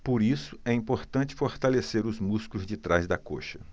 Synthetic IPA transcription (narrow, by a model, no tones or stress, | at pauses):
poɾisʊ̥ɛĩpoɾt̪ɐ̃t͡ʃɪ̥foɾt̪aleseɾʊzmuskʊzd͡ʒɪt̪ɾazd̪ɐko̰ʃɐ